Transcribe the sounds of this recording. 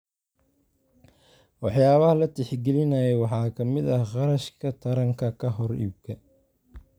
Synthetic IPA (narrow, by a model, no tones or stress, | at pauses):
wɑħjaːβɐhɐlɐt̪ʰɪħɡɛlɪnɐjɛwɑħɑːkʰɐmɪd̪ɐhqɑɾɐʃkʰɐt̪ʰɐɾɐŋkʰɐkʰɐɦɔrḭb̚kʰɐ